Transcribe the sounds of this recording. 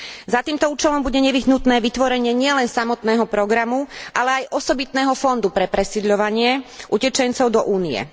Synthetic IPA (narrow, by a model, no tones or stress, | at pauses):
zat̪iːmt̪ɔuːt͡ʃɛlɔmbuɟɛɲɛʋiɦnut̪nɛːʋit̪ʋɔɾɛɲɪɛɲɪɛlɛnsamɔt̪nɛːɦɔpɾɔɡɾamuʔalɛajʔɔsɔbit̪nɛːɦɔfɔnd̪upɾɛpɾɛsid̪ʎɔʋaɲɪɛʔucɛt͡ʃɛnt͡sɔʊd̪ɔʔuːnijɛ̰